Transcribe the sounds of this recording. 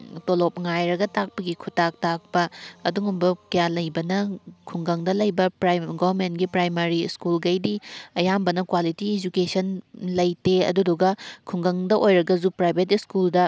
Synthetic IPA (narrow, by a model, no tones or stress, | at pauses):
tolop̚ŋajɾɐɡɐtak̚pɐɡikʰutak̚tak̚pɐːduŋumbɐkɐjalɐjbɐnɐkʰuŋɡɐŋdɐlɐjbɐpɾaɡobɐɾmentɡipɾajmaɾiskulɡɐjdiɐjambɐnɐkwalitied͡ʒukesɐnlɐjteɐ̰duduɡɐkʰuŋɡɐŋdɐʔojɾɐɡɐzupɾajbʱet̬iskuldɐ